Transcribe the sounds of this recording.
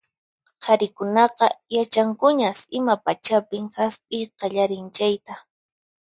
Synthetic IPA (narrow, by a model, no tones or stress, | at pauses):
hʰɑɾɪkʊnɑqɑjat͡ʃaŋkʊɲasɪmapat͡ʃapɪŋxaspʼɪjqɑʎaɾɪnt͡ʃajt̪a